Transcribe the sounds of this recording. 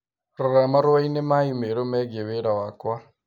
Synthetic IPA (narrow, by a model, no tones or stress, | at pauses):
ɾɔɾamaɾɔwainemaimeɾomɛɡeβeɾawakwa